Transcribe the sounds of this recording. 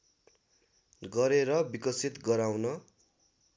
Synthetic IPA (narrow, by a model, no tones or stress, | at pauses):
ɡʌɾeɾʌbikʌsit̪ɡʌɾawnʌ